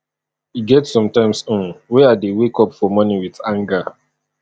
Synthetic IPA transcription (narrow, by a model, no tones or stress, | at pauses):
iɡɛtsɔ̃mtãɪ̃msõnwɛadewekɔpfɔmɔniwiθãŋɡa